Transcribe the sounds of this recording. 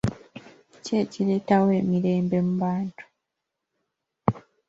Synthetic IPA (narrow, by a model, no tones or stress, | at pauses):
ce̞ːciɾe̞ːtawe̞ːmiɾe̞ːmbe̞muβaːntu̥